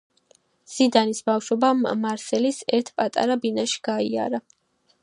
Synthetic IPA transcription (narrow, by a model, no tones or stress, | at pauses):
z̥id̪anisbafʃɔbamaɾsɛlisɛɾt̪ʰpʼat̪ʼa̰ɾabinaʃi̥ɡ̥aia̰ɾa